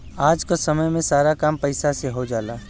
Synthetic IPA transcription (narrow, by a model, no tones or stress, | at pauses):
aːd͡ʒkasɐməjmẽsaːɾakaːmpɐɪsaseɦod͡ʒaːlaː